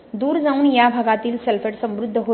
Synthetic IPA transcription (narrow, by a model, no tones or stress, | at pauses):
d̪uːɾd͡zaunjabʱəɡat̪iːlselpʰeʈsə̃mɾʊd̪ʱːəɦo